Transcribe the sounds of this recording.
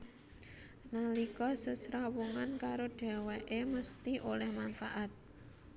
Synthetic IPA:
nalikɔsəsɾawuŋankaɾoɖ̥ɛ̤wɛʔeməst̪iʔolɛhmanfaʔat̪̚

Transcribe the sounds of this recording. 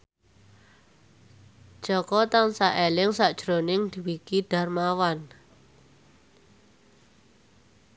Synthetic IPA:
d̥ʒ̥ɔkɔt̪ansaʔelɪŋsaʔd̥ʒ̥ɾonɪŋd̪̥i̤wikiɖ̪̥a̤rmawan

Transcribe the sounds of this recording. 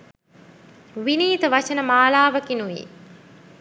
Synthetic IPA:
ʋiniːt̪əʋat͡ʃənəmaːlaːʋəkinuʋḭː

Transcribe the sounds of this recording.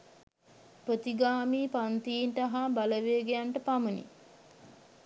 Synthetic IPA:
pɾət̪iɡaːmiːpant̪ijinʈəɦabaləʋeːɡejaɳʈəpamənḭ

